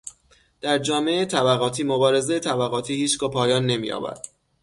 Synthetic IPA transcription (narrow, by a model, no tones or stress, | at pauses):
d̪̥æɾd͡ʒɒːmeet̪ʰæbæɣɒːt̪ʰiːmo̞bɒːɾe̞zejet̪ʰæbæɣɒːt̪ʰiːhiːt͡ʃʰɡ̥ɒːpʰɒːjɒːnːe̞mḭjɒ̰ːbæ̰d̪̥